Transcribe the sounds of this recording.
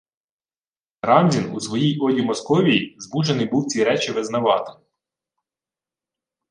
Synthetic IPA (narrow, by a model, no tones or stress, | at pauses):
ɾɑmʲdʲinusʋɔjijɔlʲimɔskɔʋʲijizmuʒenɪjbuwt͡sʲiɾɛt͡ʃɪʋɪznɐʋɑt̪ɪ̥